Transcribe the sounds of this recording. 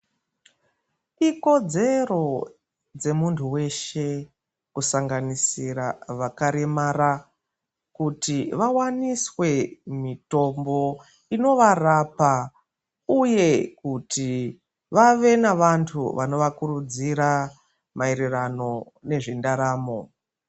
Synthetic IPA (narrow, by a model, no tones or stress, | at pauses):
iko̞d͡ze̞ro̞ | d͡ze̞muntʰuwe̞ʃe̞ | kusaŋɡanisiɾaʋakaɾemaɾa | kutiʋawaniswe̞mito̞mbo̞ | ino̞ʋarapa | uje̞kuti | ʋaʋe̞naʋantʰuʋano̞ʋakuɾud͡ziɾa | maeɾirano̞ | ne̞ʐindaɾaːmo̞